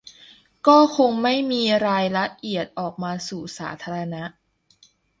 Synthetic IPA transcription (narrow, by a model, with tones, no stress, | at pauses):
kɔː˥˩kʰo˧ŋma˥˩jmiː˧ɾaː˧jɾa˦˥ʔi˨˩ət̪̚ʔɔː˨˩k̚maː˧suː˨˩sa̰ː˩˦t̪ʰaː˧ɾa˧na˦˥ʔ